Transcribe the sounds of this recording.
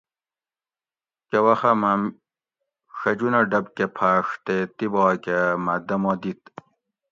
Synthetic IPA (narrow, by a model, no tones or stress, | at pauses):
kewɐxɐmam | ʂɐd͡ʑunɐɖɐbkepʰaːʂt̪et̪ibɑːkemɐd̪ɐmɔːd̪it̪